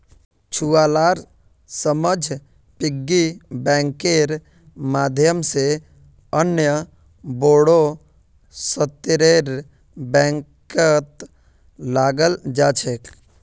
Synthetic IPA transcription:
t͡ʃʰuaːlaːɾ | səməd͡ʒʱ | pɪɡːibɛ̃ːŋkeɾ | maːd̪ʱjəmse | ənjə | boːɽo | sət̪ɾeɾ | bɛ̃ːŋk | ət̪ | laːɡəld͡ʒaːt͡ʃʰek

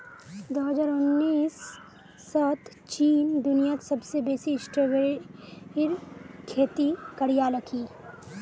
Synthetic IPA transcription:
d̪oɦəzaːɾʊnːiːsː | at̪ʰ | t͡ʃiːnd̪ʊnijat̪sɐbsebeːsisʈɾeʋe | ɪɾkʰeːt̪ikɐɽijalɐkʰiː

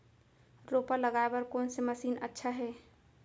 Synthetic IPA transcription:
ɾoːpaləɡaːebəɾkoːnseməsiːnə̰tːʃʰaɦɛː

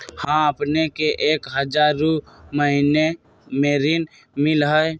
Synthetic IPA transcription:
hãəpnekeʔeːkɦəd͡ʒaːɾuməɦine | meɾin | mɪlɦəj

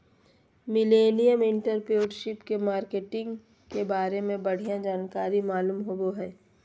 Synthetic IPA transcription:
mɪleːnijəmɪ̃ɳʈəɾpoːɖʃɪpkemaːɾkeːʈɪ̃ŋɡ | kebaːɾemẽbɐɽ̤ijãd͡ʒaːnkaːɾimaːluːmɦoboɦɛː

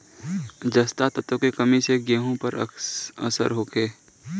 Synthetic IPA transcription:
d͡ʒəst̪at̪ɐt̪okekəmiseɡeːɦõpəɾ̰ə̰sə̰ɾɦoːkʰeː

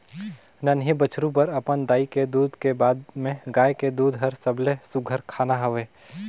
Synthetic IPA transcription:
nənɦibət͡ʃʰɾup̬əɾɐpənd̪aːiked̪uːd̪ʱkebaːd̪mẽɡaːjked̪uːd̪ɦɐɾsəblesʊɡʱəɾkʰaːnaɦoʋeː

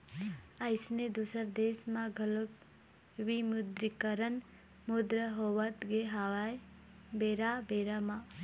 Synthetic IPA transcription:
əɪsned̪usəɾd̪eːsmãɡʱələk | ʋimud̪ɾikəɾənmʊd̪ɾəɦoːwət̪ɡeɦaʋajbeːɾabeɾamã

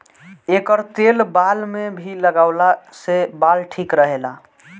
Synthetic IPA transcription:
ekəɾt̪elbalmebʱiləɡaʊlasebalʈʰikɾəɦela̰

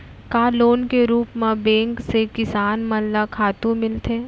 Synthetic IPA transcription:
kaːloːnkeɾuːpmãbɛ̃ːŋksekɪsaːnmɐlːakʰaːt̪ũmɪlt̪ʰeː

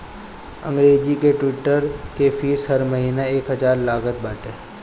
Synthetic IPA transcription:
ə̰̃ŋɡɾeːd͡ʒikeʈwɪʈəɾkefʰiːsɦɐɾmɐɦiːnaeːkɦɐd͡ʒaːɾlaːɡət̪̚baːʈeː

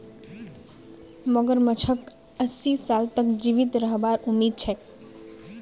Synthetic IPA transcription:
məɡəɾmət͡ʃʰək | əsisalt̪əkd͡ʒiʋit̪ɾəɦbaɾumid̪̚t͡ʃʰɛ

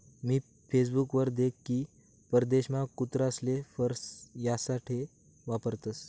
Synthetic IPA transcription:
miː | fes̬bukʋəɾd̪ekːiː | pəɾd̪eɕmakut̪ɾəəslefəɾsjasaʈʰe | ʋapəɾt̪əs

